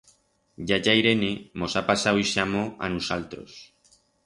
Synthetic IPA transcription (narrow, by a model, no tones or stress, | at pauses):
ɟ͡ʝaʝajɾe̞nemo̞sapasawiʃamo̞a̰nusalt̪ɾo̞̰s